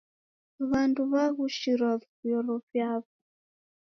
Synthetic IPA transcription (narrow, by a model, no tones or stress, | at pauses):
βanduβaɣuʃiɾwavjɔɾɔvjaβɔ